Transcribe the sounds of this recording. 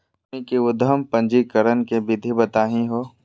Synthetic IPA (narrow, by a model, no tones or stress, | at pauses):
ikeʊd̪ʱəmpə̃nd͡ʒikəɾənkebɪd̪ʱibət̪aːɦĩɦoː